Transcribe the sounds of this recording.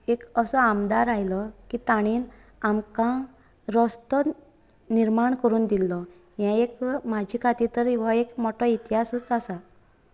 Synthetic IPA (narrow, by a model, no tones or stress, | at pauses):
ekəsɔamd̪aɾajlɔkit̪aɽ̃iːn | amkã | ɾɔst̪ɔ | niɾmaɳkəɾuːnd̪ilːɔ | jãekmad͡ʑʱiːkʰat̪it̪əɾiʋaekmɔʈɔit̪ɦasət͡sasa